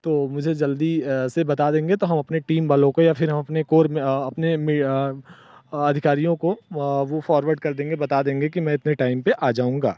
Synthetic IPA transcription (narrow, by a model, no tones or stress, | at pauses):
t̪oːmʊd͡ʒʱed͡ʒɐld̪isebɐt̪ad̪ẽːŋɡet̪oɦɐmɐpneʈiːmbaːlõkojapʰɪɾɦɐmɐpnekoːɾmɐpnemɪ | ɐd̪ʱɪkaːɾijõkoʋofɔːɾʋəɾɖ̚kɐɾd̪ẽːŋɡebɐt̪ad̪ẽːŋɡekimɛ̃ɪt̪neʈaːɪmpeʔaːd͡ʒaːũːŋɡaː